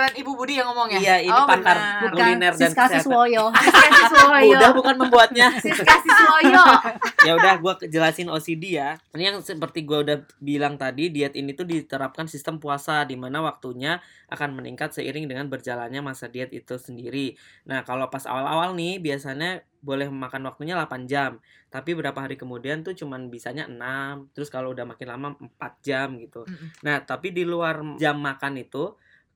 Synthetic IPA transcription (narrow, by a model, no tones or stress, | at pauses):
anibubudijaŋɔmɔŋjijaipat̪arɡulinɛrdankassojosudahbukanməmbuat̪̚ɲaskasiswojojaudahɡuakəd͡ʒəlasɪnosidijanijaŋsəpərt̪iɡuaudah | bilaŋt̪adidiɛt̪init̪udit̪əɾap̚kansist̪əmpuasadimanawak̚t̪uɲaʔa̰kanmənḭŋkat̪səḭɾɪŋdəŋanbərd͡ʒalanɲamasadiɛt̪ḭt̪usəndiɾinahkalopasa̰wala̰walnɪhbiasaɲa | bolɛhməmakanwak̚t̪uɲalapand͡ʒamt̪apibəbɾapaɦaɾikəmudiant̪ut͡ʃumanbisaɲaʔənamt̪əɾʊskaloudahmakɪnlamam̩pat̪̚d͡ʒamɡit̪unaht̪apidiluard͡ʒamːakanit̪u